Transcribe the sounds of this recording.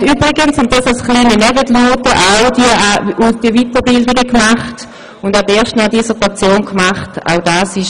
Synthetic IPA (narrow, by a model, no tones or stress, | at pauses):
yːbʁɪɡənsʊnt̚d̥asalsχliːninɛbətluːtəʔaʊdiəaud̥iəvitəbɪldɪɡəkmaχt | ʊndateːɐʃtnadisətat͡sjoːnkmaχta̰ʊdaːsɪʃ